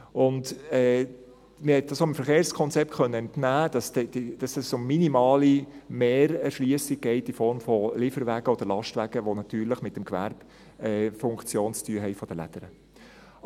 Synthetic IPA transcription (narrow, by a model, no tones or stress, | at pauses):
ʊndɛː | mɪhɛt̚d̥ɑsoəmfəɾχeːɾskʰɔnt͡sɛp̚tχœnːəɛntnæːd̥ɑsdɛd̥id̥ɑsd̥ɑssʊmminimɑːlimeːɾɛɾʃliəsiɡ̚ɡ̥ɛɪtifɔɾmfɔlɪfəɾʋæɡ̥əod̥əɾlɑʃtʋæɡ̥əʋonɑt̪yːɾləχmɪt̚ːəmkʋæ̰ɾb̥ | ɛfʊŋkt͡sjoːnt͡styəɦɛɪfɔd̥əlæ̰d̥əɾə